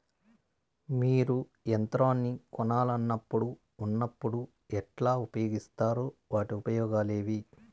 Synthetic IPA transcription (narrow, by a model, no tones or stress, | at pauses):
miːɾu | ent̪ɾaːnːikɔnaːlɐnːɐpːuɽuː | nːɐpːuɽu | ɛʈlaːupɐjoːɡist̪aːɾoːʋaːʈiupɐjɔːɡaːle̞ːʋi